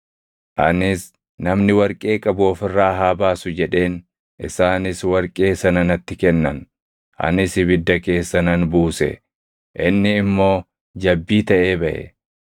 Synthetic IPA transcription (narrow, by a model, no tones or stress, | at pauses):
ʔɐ̰nɪs | nɐmnɪwɐɾkʼe̞ːkʼɐbʊːfɪrːaːɦaːbaːsʊd͡ʒɛᶑe̞ːn | ʔɪ̰saːnɪswɐɾkʼe̞ːsɐnɐnɐt̪ːɪkɛnːɐn | ʔɐ̰nɪsɪbɪd̪ːɐke̞ːsːɐnɐnbuːsɛ̰ | ʔɪnːɪːmːo̞ː | d͡ʒɐbːiːt̪ɐʔe̞ːbɐʔɛ̰